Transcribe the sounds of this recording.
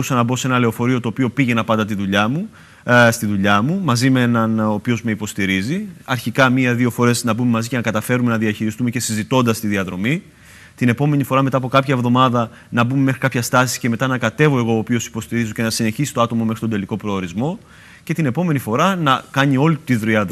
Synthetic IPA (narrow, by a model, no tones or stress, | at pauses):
usɐnɐbo̞se̞nɐle̞ofo̞ɾio̞t̪o̞ːpio̞piʝe̞nɐpɐnd̪ɐt̪iðuʎɐmu | st̪iðuʎɐmumɐzimeenɐnopio̞zme̞ipo̞st̪iɾiziɐɾçikɐmiɐðio̞fo̞ɾe̞snɐbume̞mɐzice̞nɐkɐt̪ɐfe̞ɾume̞nɐðiɐçiɾist̪ume̞ce̞sizit̪o̞nd̪ɐst̪iðiɐðɾo̞mi | t̪ine̞po̞me̞nifo̞ɾɐme̞t̪ɐːpo̞kɐpçɐevðo̞mɐðɐ | nɐbume̞me̞xɾikɐpçɐst̪ɐsi̥sce̞me̞t̪ɐnɐkɐt̪e̞vo̞e̞ɣo̞ːpiosi̥po̞st̪iɾizo̞ce̞nɐsine̞çisi̥t̪o̞ɐt̪omome̞xɾitond̪e̞liko̞pɾo̞ːɾizmo̞ | ce̞t̪ine̞po̞me̞nifo̞ɾɐnɐkɐɲio̞lit̪iðɾiɐ